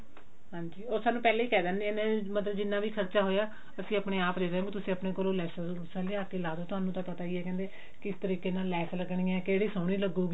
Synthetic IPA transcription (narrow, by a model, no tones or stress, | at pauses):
ɦãːɲd͡ʒiːoːsaːnːũːpɛːleːiːkɛːd̪ənːeenẽmət̪̬ləbd͡ʒɪnːãːʋiːkʰəɾt͡ʃaːɦoːjaː | əsĩːəpɽ̃eːaːpd̪eːɾeɦõːkit̪̬ʊsĩːəpneːkoːlõːlɛːsə | ʊsãːliːaːkeːlaːd̪oːt̪ʊɦaːnũːt̪ãːpət̪aːiːɛːkɛ̃ːnd̪eː | kɪst̪əɾiːkeːnaːlːɛːsləɡɳĩːɛ̃ːkeːɽiːsəːɽ̃iːləɡoːɡiː